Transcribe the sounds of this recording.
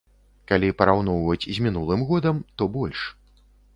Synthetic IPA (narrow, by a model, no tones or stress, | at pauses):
kalʲipɐɾawnɔwvɐt͡sʲzʲmʲinulˠɨmɣɔd̪ɐmt̪ɔbɔlʲʂ